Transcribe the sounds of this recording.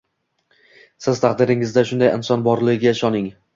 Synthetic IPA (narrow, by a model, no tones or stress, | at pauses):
sɪz̥t̪ʰaq̚d̪ɪɾɪŋɪzd̪aʃʊnd̪ajɪ̰nsɒnbɒɾlɪɪɡʲaɪʃɒnɪŋ